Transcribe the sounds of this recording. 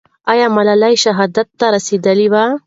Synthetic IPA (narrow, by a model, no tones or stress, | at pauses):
ajamalalajʃaɦɑd̪at̪ːaɾased̪əliwa